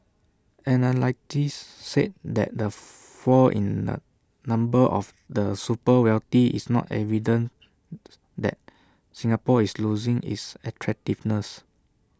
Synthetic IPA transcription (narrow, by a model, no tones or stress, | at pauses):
ɛnalaɪk̚tisːed̚dɛ̰t̚də | fɔʔḭ̃ndə̰ | nãmbəʔɔf | dəsupəwɛltiḭsnɔ̰tɛ̰vidə̃n | dɛ̰t̚ | sĩŋapɔisluzĩŋḭsɛtʰɹɛk̚tivnəs